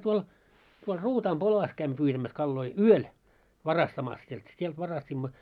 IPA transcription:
tuol tuol ruːtɑːm polɑs kæimːø pyːtæmæs kɑlːoi yøl ʋɑrɑstɑmɑs sielt sielt ʋɑrɑstʲimːɑ

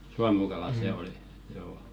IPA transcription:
suɑmukɑlɑˑ seˑ oli joː

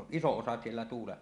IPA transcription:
oʔ ʔisoʔ ʔosɑ sielːæ tuːleʔ

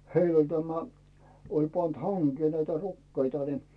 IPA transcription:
heil olʲ tæmæ olʲ pɑnt hɑŋkeː næitæ rukːeitɑ ni

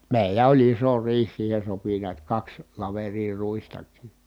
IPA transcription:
meˑilæ olʲ iso riːh siːhen̞ sopi niæt kɑks lɑʋeriː ruistɑkˑiː

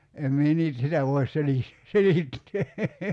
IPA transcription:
em mie niːt sitæ ʋoi̞s selih selitːeː

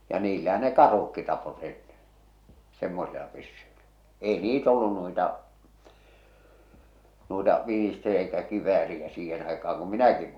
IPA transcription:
jɑ niːlːæhæ ne kɑrh̞ukːi tɑpot enːen̞ semːosilɑ pysːyilæ eˑi niːt olːun nuitɑ nuitɑ ʋinister eikæ kiʋˑæːriæ siːhen ɑikɑɑŋ kum minæki

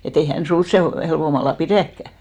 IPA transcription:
et ei hæn sun̞s seˑ helʋomɑlːɑ piræˑkːæ

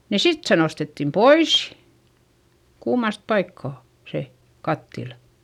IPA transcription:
ni sit se nostetːim pois kuːmɑst pɑikːɑˑ se kɑtːilɑ̥

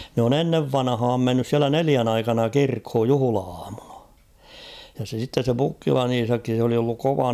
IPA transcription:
nĕ on enːeʋ ʋɑnɑ̆hɑːm menːys siælæ neliæn ɑikɑnɑ kirkhoj juhŭlɑɑːmunɑ jɑ se sitːes se pukːilɑn iːsɑkːi sĕ oli olːuk koʋɑ

